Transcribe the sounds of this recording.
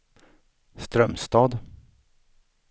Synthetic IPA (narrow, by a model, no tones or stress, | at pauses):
st̪ɾœmst̪ɑːd̪